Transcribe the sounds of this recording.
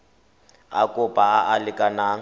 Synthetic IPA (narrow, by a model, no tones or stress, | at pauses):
a̰kʼʊpʼaaʔalɪkʼanaːŋ